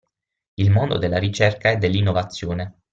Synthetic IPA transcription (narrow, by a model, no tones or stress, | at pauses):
ilmond̪o̰d̪elːaɾit͡ʃɛrkaɛd̪ːelːinːovat̪sːjoːne